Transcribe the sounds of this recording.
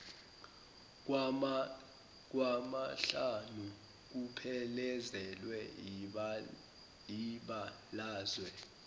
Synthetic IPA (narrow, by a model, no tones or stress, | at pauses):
k̬wamaɬanu | k̬upʰɛlɛzɛlwɛ | jiɓa | laːzwɛ